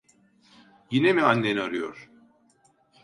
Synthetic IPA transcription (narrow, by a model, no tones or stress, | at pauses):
jinemianːeniaɾɯjo̰ɾ̥